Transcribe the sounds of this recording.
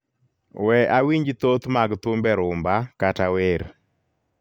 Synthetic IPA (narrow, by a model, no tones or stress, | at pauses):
wɛʔawiɲd͡ʒit̪ot̪maɡt̪ʊmbɛɾʊmbakataweɾ